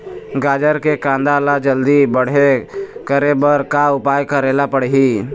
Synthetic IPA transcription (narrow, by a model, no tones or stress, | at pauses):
ɡaːd͡ʒəɾkekãːnd̪alad͡ʒəld̪ibəɽ̤ekəɾebəɾkaʊpaːjkaɾeːlapəɽɦi